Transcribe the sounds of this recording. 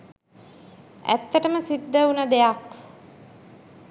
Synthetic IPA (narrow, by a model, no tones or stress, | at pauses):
æ̰t̪ːəʈəməsid̪ːəunəd̪ejak